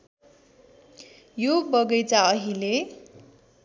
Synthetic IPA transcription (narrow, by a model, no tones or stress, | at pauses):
jobʌɡʌjt͡saʌɦile